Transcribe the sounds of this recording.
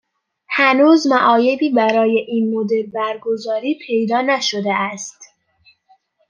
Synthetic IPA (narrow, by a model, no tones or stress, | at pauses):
hænuːzmæʔɒːje̞b̪iːbæɾɒːje̞ʔiːnmod̪e̞ɾbæɾɡozɒːɾiːpʰe̞jd̪ɒːnæʃo̞d̪eæst̪